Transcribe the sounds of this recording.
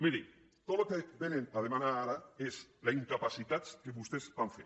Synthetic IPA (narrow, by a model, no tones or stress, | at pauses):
miɾi | t̪olokebenenað̞emanaaɾaeslaiŋkapasit̪at̪keβust̪ezbaɱfe